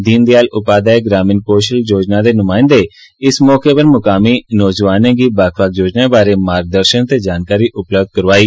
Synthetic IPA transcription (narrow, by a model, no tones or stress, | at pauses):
d̪iːnd̪eaːlʊpaːd̪aːeɡɾaːmɪnkoːʃəld͡ʒoːd͡ʒnaːd̪eːnʊmãːɪ̃nd̪eː | ɪsmɔːkeːpəɾmʊkaːmiːnɔːd͡ʒʋaːnẽːɡiːbaːkʰʋaːk̚d͡ʒoːd͡ʒnãːbaːɾeːmaːɾɡ̚d̪əɾʃənt̪eːd͡ʒaːnkaːɾiːʔʊpləbd̪̚kəɾʋaːiː